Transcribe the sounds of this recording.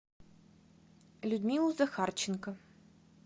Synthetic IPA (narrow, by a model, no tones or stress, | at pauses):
lʲud̪ʲmʲilˠuzɐxart͡ɕɪnkə